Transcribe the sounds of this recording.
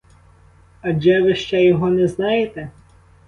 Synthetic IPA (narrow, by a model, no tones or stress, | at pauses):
ɐd͡ʒɛʋɪʃt͡ʃɛjɔɦɔnɛznɑjet̪ɛ